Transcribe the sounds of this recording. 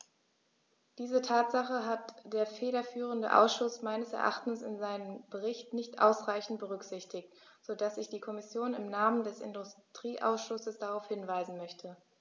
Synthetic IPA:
d̥iːzətʰaːtz̥aχəɦatd̥eːɐfeːdɐfyːʁ̞əndə̰ʔa̰ʊsʃʊsmaɪnəsɛ̰ɐʔa̰χtn̩sɪnzaɪnəmbəʁɪçtnɪçtʔa̰ʊsʁaɪçn̩t̚b̥əʁʏkz̥ɪçtɪçt | z̥odasɪçd̥iːkʰɔmɪsjoːnɪmnaːməndɛsɪ̰ndʊstʁ̥iːʔa̰ʊsʃʊsəsd̥aʁaʊfhɪnvaɪzn̩mœçtʰə

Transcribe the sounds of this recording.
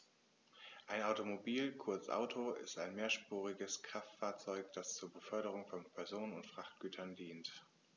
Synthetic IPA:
ʔaɪnaʊtomobiːlkʰʊɐt͡sʔa̰ʊtʰoɪ̰staɪnmeːɐʃpuːʁɪɡəskʁ̥aftfaːɐt͡sɔʏkd̥ast͡suːɐbəfœɐɾəʁ̞ʊŋfɔnpʰɛɐzoːnənʊntfʁ̥aχt̚ɡ̥yːtʰɐndiːnt

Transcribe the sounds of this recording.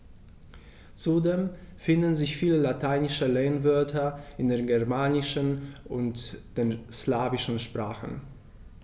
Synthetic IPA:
t͡sudeːmfɪndn̩zɪçfiːləlatʰaɪnɪʃəleːnvœɐtʰɐɪndeːɐnɡɛɐmaːnɪʃənʔʊntd̥eːnslaːvɪʃn̩ʃpʁ̥aːχn̩

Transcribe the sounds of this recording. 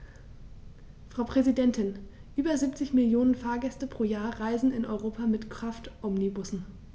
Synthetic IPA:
fʁ̥aʊpʁ̥ɛzidɛntɪn | ʔyːbɐziːp̚t͡sɪçmɪljoːnənfaːɐɡɛstəpʁ̥oːjaːɐʁaɪzn̩ɪnʔɔ̰ʏʁoːpʰamɪtkʁ̥aftʔɔmnibʊsn̩

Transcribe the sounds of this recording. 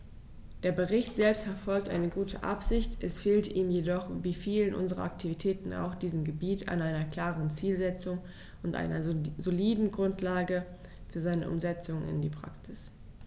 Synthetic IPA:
d̥eːɐbəʁɪçtz̥ɛlpstfɛɐfɔlk̚tʔa̰ɪnəɡuːtʰə̰ʔa̰pz̥ɪçtʔɛsfeːltiːmjedɔχviːfiːlənʔʊ̰nzəʁɐ̰ʔak̚tʰivitʰɛːtn̩a̰ʊxd̥iːzəmɡəbiːtʰa̰nʔaɪnɐkl̥aːʁənt͡siːlzɛt͡sʊŋ | ʊntʔa̰ɪnɐzoliːdn̩ɡʁʊntʰlaːɡə | fyːɐzaɪnə̰ʔʊ̰mzɛt͡sʊŋɪ̰ndiːpʁ̥a̰ksɪs

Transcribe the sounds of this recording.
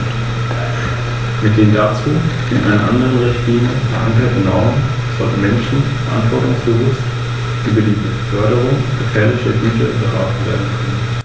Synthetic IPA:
mɪt̚d̥eːndat͡su̥ː | ɪ̰nʔa̰ɪnɐ̰ʔa̰ndəʁənʁɪçtliːməfɛɐʔaŋkɐtən̩ʁɔʊm | z̥ɔ̰ln̩mɛnʃn̩fɛɐʔa̰ntv̥ɔɐtʊŋsb̥əvʊst | ʔyːbədiːbəfœɐɾəʁ̞ʊŋɡ̥əfɛːɐlɪçɐbyːçɐbəʁa̰ːtnv̥ḛːɐdn̩kʰœnən

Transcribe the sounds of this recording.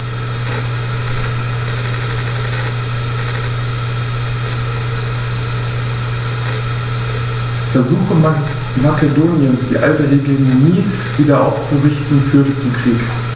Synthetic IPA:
fɛɐzuːxə | makedoːnjənsd̥iːʔaltəɦeɡemoniː | viːdɐʔaʊft͡suʁɪçtn̩fyːɐdət͡sumkʁ̥iːk

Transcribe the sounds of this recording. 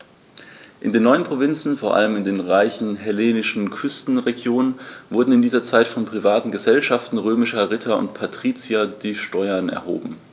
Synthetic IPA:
ʔɪndeːnːɔʏənpʁ̥ovɪnt͡sn̩foːɐʔa̰ləmɪndeːnʁaɪçn̩ɦɛleːnɪʃn̩kʰʏstn̩ʁeɡjoːnənvʊɐdn̩ɪndiːzɐt͡saɪtfɔnpʁ̥ivaːtn̩ɡəzɛlʃaftn̩ʁøːmɪʃɐʁɪtʰɐʊ̰ntpʰatʁ̥iːt͡sjad̥iːʃtɔʏɐnɛ̰ɐɦo̰ːbm̩

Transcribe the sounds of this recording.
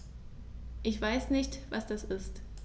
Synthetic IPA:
ʔɪçv̥aɪsnɪçtv̥asd̥asʔɪst

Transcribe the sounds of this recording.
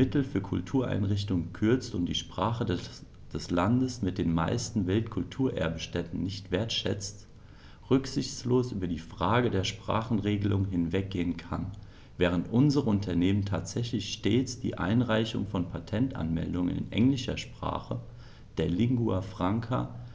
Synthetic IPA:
mɪtl̩fyːɐkʰʊltʰuːɐʔa̰ɪnʁɪçtʊŋkʰʏɐt͡stʊntd̥iːʃpʁ̥aːχəd | d̥ɛslandəsmɪt̚d̥eːnma̰ɪstn̩vɪltkʰʊltʰuːɐʔɛ̰ɐbəʃtɛtn̩nɪçtv̥eːɐtʃɛ̰t͡st | ʁʏkz̥ɪçsloːsʔy̰ːbɐdiːfʁ̥aːɡədeːɐʃpʁ̥a̰ːχn̩ʁeːɡəlʊŋɦɪnvɛk̚ɡ̥eːənkʰan | vɛːʁ̞əntʔʊnzəʁəʊntʰɐneːməntʰaːtz̥ɛçlɪçʃteːt͡sd̥ḭːʔa̰ɪnʁaɪçʊ̰ŋfɔnpʰatʰɛntʔa̰nmɛ̰ldʊŋə̰nɪ̰nʔɛ̰ŋlɪʃɐ̰ʃpʁ̥a̰ːχə | d̥eːɐlɪŋɡuafʁ̥aŋkʰa̰

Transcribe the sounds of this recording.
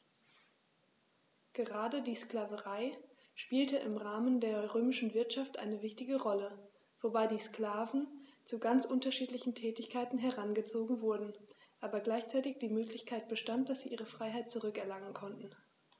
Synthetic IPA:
ɡ̥əʁaːdədiːsklaːvəʁaɪ | ʃpiːltəʔɪmʁaːməndeːɐʁøːmɪʃn̩vɪɐtʃaftʔa̰ɪnəvɪçtɪɡəʁɔlə | v̥obaɪdiːskl̥aːvn̩t͡suɡant͡sʔʊntɐʃiːtlɪçn̩tʰɛːtɪçkʰaɪtn̩ɦɛʁanɡət͡soːɡŋ̩vʊɐdn̩ʔaːbɐɡlaɪçt͡saɪtɪçd̥iːmøːklɪçkʰaɪt̚b̥əʃtant̚d̥asz̥iːʔiːʁəfʁ̥aɪɦaɪt̚t͡suʁʏkɛɐlaŋənkʰɔntn̩

